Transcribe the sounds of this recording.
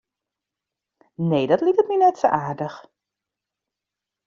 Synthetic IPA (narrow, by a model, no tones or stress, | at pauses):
nejdɔtlik̚tətninɛtso̰ʔaːrdəx